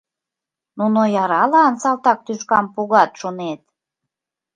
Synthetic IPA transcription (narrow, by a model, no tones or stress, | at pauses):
nunojɑɾɑlɑnsɑlt̪ɑk̚t̪yʃkɑmpuɣɑt̪ʃonet̪̚